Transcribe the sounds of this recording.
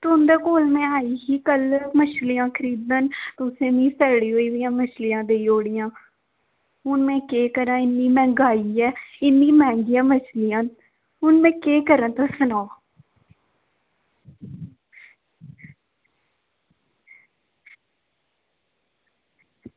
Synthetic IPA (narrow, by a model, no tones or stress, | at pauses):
t̪ʊnd̪ːkoːlmɛ̃ːaːiːɦiːkəlmət͡ʃʰlɪjãːkʰəɾiːd̪ənt̪ʊsẽːmĩːsəɾɽiːɦoːiːʋəjãːmət͡ʃʰlɪjãːd̪eːioːɽɪjãː | ɦʊnmɛ̃ːkeːkəɾãːɪnːiːmɛ̃ːŋɡaːiːɛːɪnːĩːmɛ̃ːŋɡɪjãːmət͡ʃʰlɪjãːn | ɦʊnmɛ̃ːkeːkəɾãːt̪əsənaː